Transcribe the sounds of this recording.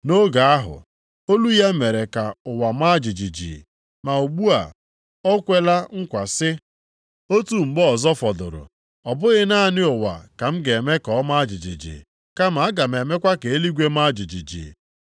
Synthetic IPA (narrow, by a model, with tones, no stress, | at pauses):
no˦ɡa˨a˦ɦʊ̰˨ | o˦lu˦ja˦me˨ɾe˨ka˨ʊ˨wa˨ma˦d͡ʒi˨d͡ʒi˨d͡ʒḭ˨ | ma˨o˨ɡ͡bu˦a̰˨ | ɔ˦kʷe˦la˦ŋ̩˦kʷa˨sɪ˦ | o˦tu˨ŋ͡m̩˨ɡ͡bɔ˦ɔ˨zɔ˦fɔ˨dʊ˨ɾʊ̰˨ | ɔ˨bʊ˦ɣɪ˦na˦˨nɪ˦ʊ˨wa̰˨ka˨m̩˦ɡe˨me˦kɔ˨˦ma˦a˦d͡ʒɪ˨d͡ʒḭ˨d͡ʒḭ˨ | ka˦ma˨a˦ɡa˨m̩˨e˨me˦kʷa˦ke˨e˦li˦ɡʷe˦ma˦d͡ʒi˨d͡ʒḭ˨d͡ʒḭ˨